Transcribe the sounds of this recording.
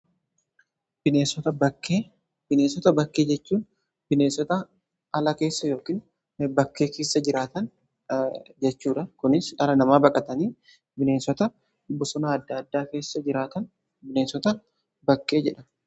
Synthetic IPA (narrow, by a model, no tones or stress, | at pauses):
bɪneːsɔt̪ɐbɐkːeː | bɪneːsɔt̪ɐbɐkːe̞ːd͡ʒɛt͡ʃːuːn | bɪne̞ːsɔt̪ɐ | ɐlɐke̞ːsːɐjo̞ːkiːn | bɐkːeːke̞ːsːɐd͡ʒɪɾaːt̪ɐn | d͡ʒɛt͡ʃːuːᶑɐkʊnɪsɐɾɐnɐmaːbɐkʼɐt̪ɐniː | bɪneːsɔt̪ɐ | bʊsɔnaɐd̪ːaːd̪ːaːke̞ːsːɐd͡ʒɪɾaːt̪ɐn | bɪneːsɔt̪ɐ | bɐkːe̞ːd͡ʒɛᶑɐ